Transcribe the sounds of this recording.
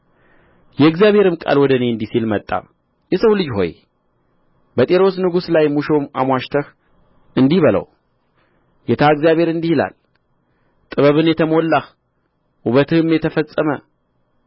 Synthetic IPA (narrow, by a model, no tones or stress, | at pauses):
jɛɨɡzijaβhe̞ɾɨmkʼa̰lwɔd̪əne̞ɨnd̪isilmət̪ʼːa̰ | jɛsəwlɨd͡ʒɦo̞̰j | bət̪ʼeɾo̞snɨɡuslajmuʃomʔa̰mwaʃt̪ʰəx | ɨnd̪iβələ̰w | jɛt̪ʰaɨɡzjaβʱhe̞ɾɨnd̪ihila̰l | t̪ʼɨβəβɨnjɛt̪ʰəmolːah | ʔuβət̪ʰɨhɨmjɛt̪ʰəfəsʼːəmə